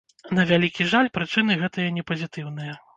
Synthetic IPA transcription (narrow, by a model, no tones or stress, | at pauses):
nɐvʲalʲikʲiʐalʲpɾɨt͡ʂɨnɨɣɛt̪ɐjɐnʲɛpɐzʲit̪ɨwn̪ɨjɐ